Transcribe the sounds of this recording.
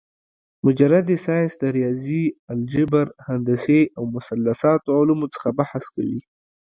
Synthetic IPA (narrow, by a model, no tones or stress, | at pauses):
mʊd͡ʒaɾad̪esɑjɪnsd̪əɾijɑziald͡ʒɪbaɾhand̪aseawmʊsalːasɑt̪oʕʊlumot͡sə̥xabahaska̰wḭ